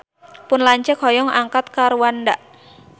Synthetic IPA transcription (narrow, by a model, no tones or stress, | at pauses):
pʊnlaɲt͡ʃəkhɔjɔŋaŋkat̪̚kaɾuwandaʔ